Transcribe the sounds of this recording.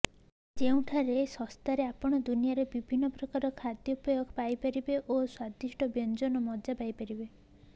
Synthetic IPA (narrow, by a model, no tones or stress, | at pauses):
d͡ʒeũʈʰaɾesɔ̃st̪aɾeapɔɽ̃ɔd̪unijaɾebibʱinːɔpɾɔkaɾɔkʰad̪jɔupɔjoɡpajpaɾibeʔoswad̪iʃʈɔbjɔnd͡ʒɔnɔmɔd͡ʒapajpaɾibe